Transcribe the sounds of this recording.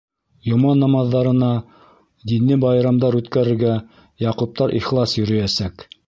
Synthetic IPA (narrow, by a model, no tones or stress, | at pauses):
jŏmɑnːɑmɑðːɑɾɤ̆nɑ | d̪inːɘbɑjɾɑmd̪ɑɾʉt̪kæɾɘ̆ɾɡæ | jɑqŭp̚t̪ɑɾʔiχlˠɑsjɵ̆ɾɵ̆jæsæk